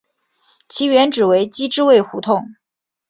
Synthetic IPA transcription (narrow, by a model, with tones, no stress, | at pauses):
t͡ɕʰi˧˥ɥɛ˧˥nʈ͡ʂɻ̩˨˩we˧˥ɪt͡ɕi˥ʈ͡ʂɻ̩˥˧we˥˩ɪxu˧˥t̪ʰʊ˥˩ŋ